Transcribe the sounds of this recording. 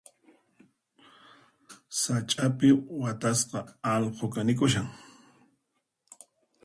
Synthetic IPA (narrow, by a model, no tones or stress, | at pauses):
sat͡ʃʼapɪwat̪asqɑɑlqʰokanɪkʊʃaŋ